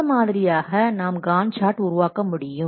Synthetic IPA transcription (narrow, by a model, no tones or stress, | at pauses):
ɐmaːðɪɾɪjaːɣɐnaːmɡaːnt͡ʃaːʈʊɾʊʋaːkɐmʊɽɪjjɯ